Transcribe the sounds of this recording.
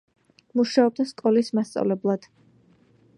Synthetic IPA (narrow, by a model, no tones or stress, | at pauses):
muʃaɔb̚d̪askʼɔlismast̪sʼa̰vlɛblˠad̪̥